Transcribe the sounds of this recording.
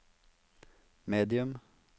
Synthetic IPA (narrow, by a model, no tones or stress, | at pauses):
meːd̪ɪʉm